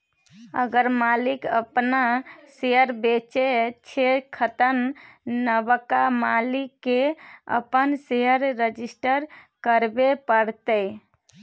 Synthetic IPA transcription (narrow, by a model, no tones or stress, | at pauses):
ə̰ɡəɾmalikə̰pnaseɦəɾbet͡ʃet͡ʃʰekʰət̪ənnəbəkamalikːeə̰pənseɦəɾːəd͡ʒisʈəɾkəɾbepəɽt̪əɪ